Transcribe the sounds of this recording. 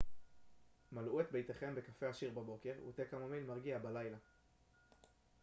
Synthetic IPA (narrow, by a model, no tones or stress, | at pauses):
maluet̪bejt̪eχe̞mbe̞kafeaʃiʁbabo̞ke̞ʁṵt̪ekamamilmaʁɡiabalajla